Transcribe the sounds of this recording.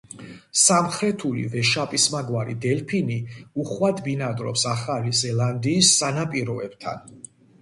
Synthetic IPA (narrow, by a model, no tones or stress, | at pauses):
samχɾɛt̪ʰulḭvɛʃapʼismaɡwaɾḭd̪ɛlpʰiniuχwad̪binad̪ɾɔ̰psaχalizɛlˠand̪iːsːanapʼiɾɔɛ̰b̥t̪ʰa̰n